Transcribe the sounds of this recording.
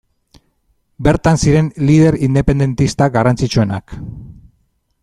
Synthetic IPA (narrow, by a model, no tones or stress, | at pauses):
be̞ɾt̪ansiɾe̞nlið̞e̞ɾind̪e̞pe̞nd̪e̞nt̪ist̪aɡarant͡sit͡ʃue̞na̰k